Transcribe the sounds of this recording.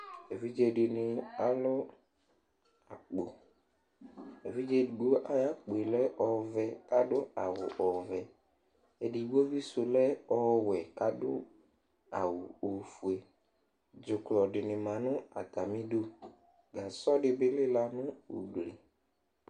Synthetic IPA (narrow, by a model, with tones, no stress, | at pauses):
e˨vi˦d͡ʒe˦ɖi˨nɪ̃˨a˨lo˦ | a˨k͡po˨ | e˨vi˦d͡ʒe˦ɖu˦o˦ʔa˦ja˦k͡po˨e˨lɛ˦ʔɔ˨vɛ˨ka˦ɖʊ˦a˨wʊ̰˨ʔɔ˨vɛ˨ | e˦ɖi˨wo˦vi˦so˨lɛ˦ɔ˦wɛ˨ka˦ɖʊ˦ | a˨wu˨o˨fu˨e˨ | d͡ʒʊ˨klɔ˨ɖɪ˨nɪ̃˨mã˨nʊ̃˦a̰˨t̪a˨mĩ˦ɖu˦ | ɡa˨sɔ˦ɖɪ˨bɪ˦lɪ˦la˨nʊ̃˦wo̰˨ɡ͡ble˨